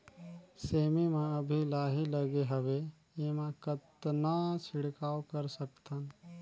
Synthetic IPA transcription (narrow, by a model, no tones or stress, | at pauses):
seːmimãəbʱilaːɦiləɡeɦəʋe | emãkət̪nasʰɪɽkaːwkəɾsək̚t̪an